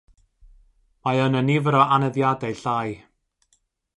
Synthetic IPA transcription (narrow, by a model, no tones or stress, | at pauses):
maənənivəɾɔʔanɛðjadɛjɬaj